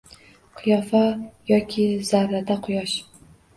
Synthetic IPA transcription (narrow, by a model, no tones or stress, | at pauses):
qʰɨjɒfajɒkʲʰɪz̥aɾɾad̪aqʰʊjɒʃ